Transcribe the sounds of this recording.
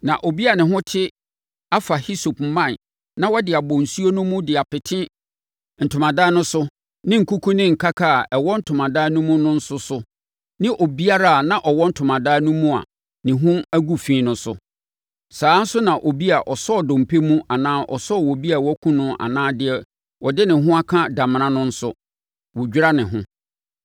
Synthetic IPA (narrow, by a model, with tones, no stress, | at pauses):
nã˨ʔo˨bi˦a˨nɪ̃˨ɦʊ̃˦tʰɪ˦ | a˦fa˨hi˦so˨pmã˦˨n | nã˦wɔ˦dɪ˨a˨bɔ̃˨n̩˨su˦o˦nʊ̃˦mũ˦dɪ˨a˨pɪ˨tʰɪ̃˦ | n̩˨tʰʊ˨mã˨daː˦nʊ̃˦sʊ˦ | nɪ̃˦ŋ̩˨ku˦kʰu˦nɪ̃˦ŋ̩˨kʰa˦kʰa˦˨ɛ˨wɔ˦n̩˦tʰʊ˨mã˨da˦nʊ̃˦mũ˦nʊ̃˦n̩˦sʊ˦sʊ˦ | nɪ̃˦ʔo˨bi˦a˦ɾa˦a˨nã˦˨ʔɔ˨wɔ˦n̩˦tʰʊ˨mã˨daː˦nũ˦mũ˦a̰˨ | nɪ̃˨ɦʊ̃˦æ˦ɡu˦fĩː˦nʊ̃˦sʊ̰˨ | saː˨˦n̩˦sʊ˦nã˨ʔo˨bi˦a˨ʔɔ˨sɔ˦˨dʊ̃˨m̩˨pʰe˦mũ˦a˨nãː˦ʔɔ̰˨sɔ˦˨wɔ˨bi˦a˨wɔ˦kʰũ˦nʊ̃˦ʔa̰˨nãː˦dɪ˦ɛ˨ | wʔɔ˨dɪ˦nɪ̃˨ɦʊ̃˦a˦kʰã˦da˨m˨nã˦nʊ̃˦n̩˦sʊ˦ | wɔ˨d͡ʑᶣɾa˦nɪ̃˨ɦʊ̰̃˦